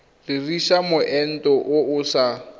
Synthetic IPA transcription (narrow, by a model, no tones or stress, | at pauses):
rɪriʃamʊʔɛn̩tʼɔʔʊʊːsa